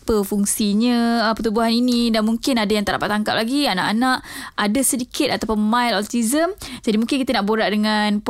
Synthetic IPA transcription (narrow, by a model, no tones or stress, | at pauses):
pəfuŋsiɲə̃əpət̪ubuɦaninidanmuŋkɪnadajaŋt̪əʔɾa̰pat̪ːaŋkap̚laɡiana̰ʔanaʔadasədikʰɪt̪̚at̪awpʊnmãjlɔlt̪izəmd͡ʒadimũŋkɪnkit̪ənaʔboɾaʔdəŋanp